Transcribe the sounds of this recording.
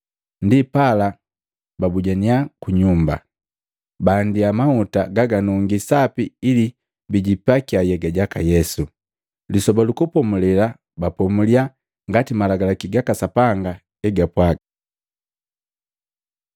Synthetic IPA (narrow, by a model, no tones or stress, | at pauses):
ndipala | babuɟaniakuɲumba̰ | baːndiamautaɡaɡanɔŋɡisapiili | biɟipakiajɛɡaɟakajɛsu | lisɔbalukupɔmulɛla | bapɔmulia | ŋɡatimalaɡalakiɡakasapaŋɡa | ɛɡapwaɡa